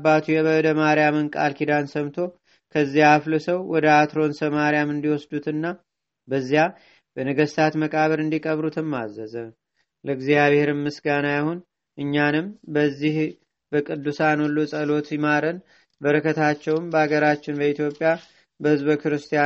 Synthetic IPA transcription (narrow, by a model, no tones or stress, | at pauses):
bat̪ʰujɛβəd̪əmaɾjamɨnkʼa̰lkʰid̪ansəmt̪ʰo̞ | kʰəzːijaːflɨsəwwɔd̪əat̪ɾo̞nsəmaɾijamɨnd̪iwɔsd̪ut̪ɨnːa | bəzːija | b̥ənəɡəst̪ʰat̪məkʼaβəɾɨnd̪ikʼəβɾut̪ʰɨmːa̰zːəzə | ləɡzijaβhe̞ɾɨmmːɨsɡanajahon | ʔɨɲːanɨmbəzːih | bəkʼɨd̪ːusanolːusʼəlo̞t̪jɪmaɾən | bəɾəkʰət̪ʰat͡ʃːɛwɨmbəaɡəɾat͡ʃːɪnbəit̪ʰjo̞pʼːja | bəhɨzβəkɨɾɨst̪ʰija